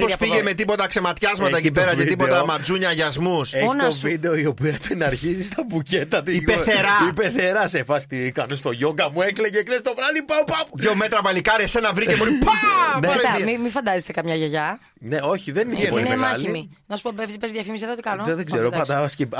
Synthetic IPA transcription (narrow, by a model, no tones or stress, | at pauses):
pospiʝeme̞t̪ipo̞t̪ɐkse̞mɐt̪çɐzmɐt̪ɐecipeɾɐceipo̞t̪ɐmɐd͡zuɲɐʝɐzmuseçonovid̪eoio̞piɐt̪enɐɾçisist̪ɐbucet̪ɐt̪iipeθeɾɐipeθe̞ɾɐsefɐst̪ikɐnest̪o̞ʝo̞ɡɐmuekleʝekðest̪o̞vɾɐðipɐopɐpueome̞t̪ɾɐpɐlikɐɾesenɐvɾicemonipɐpnmimifɐnd̪ɐzet̪ekɐmɲɐʝeʝɐ | neo̞çiðenieninemɐçlimi | nɐsu̥popefspezðjɐfimisiðot̪ikɐnoðeɡzeɾopɐd̪ɐɐskip